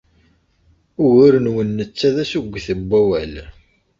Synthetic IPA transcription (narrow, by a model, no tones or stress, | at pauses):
ʊɣʊɾənwənːət͡sːæðæsuɡʷːθəbʷːæwæl